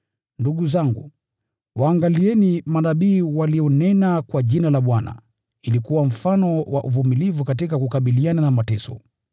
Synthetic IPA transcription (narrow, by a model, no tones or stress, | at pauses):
nduɡuzaŋɡṵ | waːŋɡaliɛnimanaɓiːwaliɔnɛnakwaʄinalaɓwana̰ | ilikuwam̩fanɔwaʔuvumilivukat̬ikakukaɓiliananamatɛsɔ̰